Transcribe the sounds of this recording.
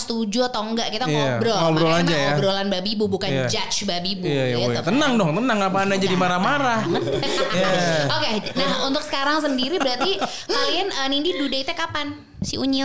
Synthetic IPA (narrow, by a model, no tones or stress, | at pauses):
st̪ud͡ʒut̪oŋɡaʔkit̪aibɾoɔbɾoland͡ʒajaɔbɾolanbabibubukand͡ʒat͡ʃbabibuaaat̪ənaŋdɔŋt̪ənaŋapaːnad͡ʒadimaɾamaɾahjaokenaɦunt̪ʊksə̥kaɾaŋs̬əndiɾibəɾart̪i | kalianənindidudait̪ɛkapan | siṵɲɪ